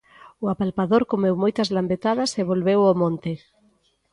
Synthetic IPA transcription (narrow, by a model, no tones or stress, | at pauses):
ʊapalpaðoɾkomewmojt̪ɐzlambet̪aðɐseβolβewomõnt̪ɪ